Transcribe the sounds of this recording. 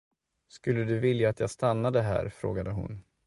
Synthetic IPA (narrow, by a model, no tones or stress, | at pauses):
skɵlːəd̪ɵvɪljaːt̪jast̪anːad̪əɦæ̰ːɾfɾo̰ːɡad̪əɦʊ̰n